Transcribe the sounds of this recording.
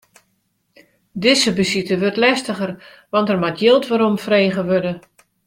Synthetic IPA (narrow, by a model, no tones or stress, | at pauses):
dɪsəbəsitəʋørtlɛstəχər | ʋɑntɛrmatjɪlˠtʋaɾomfreːɣəʋødə